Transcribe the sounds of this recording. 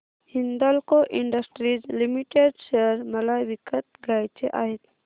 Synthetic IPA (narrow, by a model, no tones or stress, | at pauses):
hind̪alkoʔiɳɖəsʈɾid͡ʒlimiʈeɖʃeɾmɐlaʋikət̪̚ɡajt͡ʃʰeʔaːɦit̪